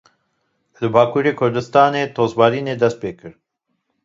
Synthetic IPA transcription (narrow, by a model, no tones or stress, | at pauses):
lɨbɑːkuːɾeːkʰʊɾd̪ɨst̪ɑːneːt̪ʰoːzbɑːɾiːneːd̪ɛst̪̚peːkɨɾ